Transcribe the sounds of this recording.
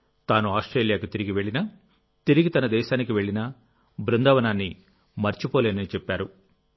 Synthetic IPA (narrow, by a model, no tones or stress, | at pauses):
t̪aːnuaːsʈɾeːljaːkut̪iɾiɡiʋe̞ɭːinɐ | t̪iɾiɡit̪ɐnɐd̪ɛːʃaːnikiʋe̞ɭːinɐ | bɾund̪ɐːʋɐnaːnːi | mɐɾt͡ʃipoːleːnɐnit͡ʃɛpːaːɾu